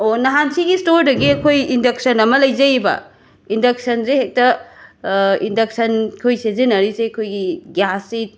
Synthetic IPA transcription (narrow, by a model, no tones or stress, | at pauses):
onɐɦansʰiɡistoɾdɐɡiɐkʰojindɐk̚sɐnɐmɐlɐjzɐjbɐ̰ | indɐk̚sɐnzehek̚tɐ | indɐk̚sɐnkʰojsezenɐɾiseɐkʰojɡiɡjasi